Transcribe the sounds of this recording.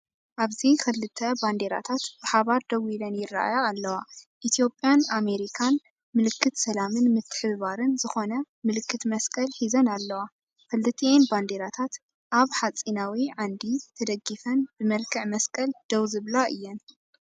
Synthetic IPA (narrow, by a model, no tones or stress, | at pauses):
ʔaβzikʰɨlːɨt̪ʰːɐband̪eɾa̰t̪ʰat̪bɨħaβaɾd̪ɐwilɐnjɪrːa̰ʔa̰jaːlːɐwaʔit̪ʰjo̞pʼːjaname̞ɾikʰan | mɨlɨkʰːɨt̪sɐlamɨnmɨt̪ʰːɨ̥ħɨββaɾɨnzɨxo̞nɐ | mɨlɨkʰːɨt̪mɐskʼɐlħizɐnalːɐwa | kɨlːɨt̪ʰːenband̪eɾat̪ʰat̪ | ʔaβħat͡sʼinawiʕand̪it̪ʰɐd̪ɐɡːifɐnbɨmɐlkʰɐʕmɐskʼɐld̪̥ɐwzɨβlaʔɨjːɛn